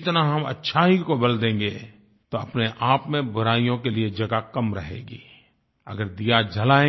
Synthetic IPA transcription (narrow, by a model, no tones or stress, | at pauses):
t̪naɦɐmɐ̰tːʃʰaɦikobɐld̪ẽːŋɡe | t̪oɐpneʔaːpmẽbʊɾaːijõkelied͡ʒɐɡakɐmɾɐ̰ɦḛːɡḭː | ɐ̰ɡəɾd̪ijad͡ʒʱɐlaːẽ